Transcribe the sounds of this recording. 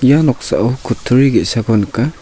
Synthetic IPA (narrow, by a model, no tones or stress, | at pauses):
janɔk̚sa̰ʔawkʰutʰːuɾiɡesaɡɔnka